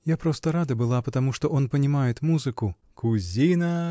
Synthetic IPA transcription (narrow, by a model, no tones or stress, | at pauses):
japɾɔst̪ɐɾad̪ɐbɨlˠapɐt̪amuʂt̪ɔʔɔnpɐnʲimajɛt̪ʲmuzɨku | kʰuzʲinɐ